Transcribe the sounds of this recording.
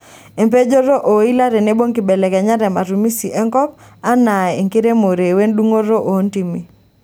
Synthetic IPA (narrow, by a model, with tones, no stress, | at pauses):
e˨mpe˦d͡ʒo˦ɾo˦ʔo˨i˦la˦ɾɛ˨ne˦bo˦ŋki˨bɛ˨lɛ˨kɛ˨ɲa˦ɾɛ˨ma˨ɾu˨mi˦si˨ʔɛ˦ŋkɔ˦p̚ | a˦na˨e˨ŋke˦ɾe˦mo˨ɾe˨we˦ndu˦ŋo˦ɾo˦ʔo˨˦nti˦mi˨